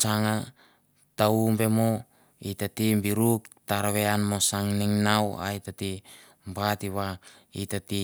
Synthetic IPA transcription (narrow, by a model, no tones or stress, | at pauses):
t͡ʃaŋa | taumbe̞mo | itatimbiɾuktaɾaβeanmosaŋniŋnawa̰itati | mbatiβa | itati